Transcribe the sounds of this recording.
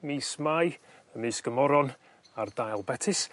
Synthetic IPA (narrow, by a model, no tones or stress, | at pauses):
miːsmaj | əmɨsɡ̥əmɔɾɔn | ardajlˠbɛtʰɪs